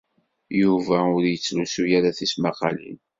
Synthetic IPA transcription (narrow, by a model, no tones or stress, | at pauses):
juvæʊɾjət͡sːlusujaɾaθismɑqɑ̰lḭn